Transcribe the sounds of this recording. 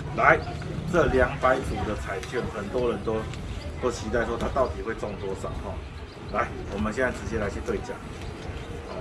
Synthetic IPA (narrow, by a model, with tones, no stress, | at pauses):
la˨˦ɪ | t͡sɤ˥˨lja˧˥ŋpa˨˦ɪt͡su˨˩d̪ə˨t͡sʰa˨˩ɪt͡ɕɛ˥˨˩nxə˨˩nt̪wɔ˦ɻə˨˦nt̪ɔ˥ʊt̪ɔ˥˦ʊt͡ɕʰi˧˥t̪a˥˩ɪʂwɔ˥t̪ʰa˥t̪ɑ˥˩ʊt̪i˨˩xwe˥˧ɪʈ͡ʂɔ˥˨ŋt̪wɔ˥sa˨˩ŋkʰwɑ˥˩ŋ | la˨˦ɪwɔ˨˩mə˨nɕjɛ˥˧nt͡sa˥˩ɪɹɻ̩˧˥t͡ɕjɛ˥˧lə˧˥i˥˩jɛ˧˥t̪we˥˧ɪt͡ɕja̰˥˩ŋ